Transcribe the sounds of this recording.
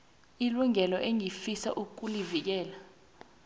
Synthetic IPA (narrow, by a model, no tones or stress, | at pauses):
iluŋɛlɔʔeŋifisa̰ʔuk̬ʼulivik̬ɛːla